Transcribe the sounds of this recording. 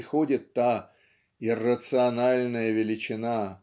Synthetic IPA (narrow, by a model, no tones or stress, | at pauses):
ɪxodʲɪt̪ːa | ɪrːət̪sɨɐnalʲnəjəvʲɪlʲɪt͡ɕɪna